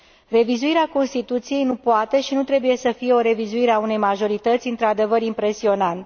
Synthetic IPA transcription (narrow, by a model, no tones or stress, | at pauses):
re̞vizuiɾeako̞nst̪it̪ut̪sijejnupoat̪e̞ʃinut̪ɾe̞buje̞səfije̞o̞ɾe̞vizuiɾeaune̞jmaʒo̞ɾit̪ət̪sʲɨnt̪ɾad̪e̞vəɾimpɾe̞sio̞nant̪